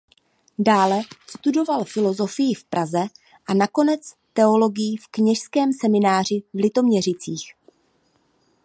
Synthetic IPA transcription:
daːlɛst̪udo̞valfɪlo̞zo̞fɪjɪfpɾʔazɛ | ʔanako̞nɛt͡s | t̪ɛo̞lo̞ɡɪjifkɲɛʃskɛːmsɛmɪnaːr̝ɪvlɪt̪o̞mɲɛr̝ɪt͡siːx

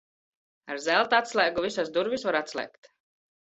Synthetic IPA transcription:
aɾzɛlˠt̪aat̪slˠɛːɡuvisasd̪uɾvisvaɾat̪slʲˠɛ̰kt̪

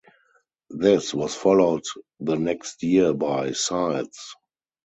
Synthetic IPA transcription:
ðɪswɔsfɔloʊt | ðənɛkstʰjiəbaɪsaɪs

